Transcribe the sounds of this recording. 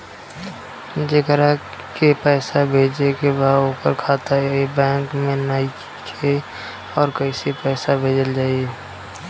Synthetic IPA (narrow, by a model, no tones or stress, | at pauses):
d͡ʒekəɾa | kepɛːsabʱeːd͡ʒekebaːopəɾkʰaːt̪aebɛ̃ːŋkmẽnai | kʰe | ɔːɾkəisepɛːsabʱeːd͡ʒəld͡ʒaːieː